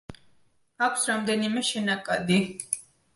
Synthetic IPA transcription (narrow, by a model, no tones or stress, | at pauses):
akʷʰsɾamd̪ɛnimɛʃɛnakʼad̪i